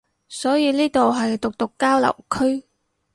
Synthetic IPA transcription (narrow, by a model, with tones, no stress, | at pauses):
sɔː˨˥jiː˨˧niː˥t̪o˨wɦɐ˨jt̪ʊ˨k̚t̪ʊ˨kːaː˥wlɐ̰˨˩wkʰɵ˥ɥ